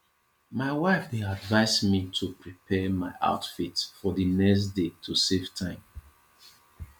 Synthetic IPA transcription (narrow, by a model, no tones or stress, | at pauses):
maɪwaɪfdeadvaɪsmitʰupɹipʰɛmaɪʔa̰ʊtfitfɔðənɛksdetʰusevtʰãɪ̃m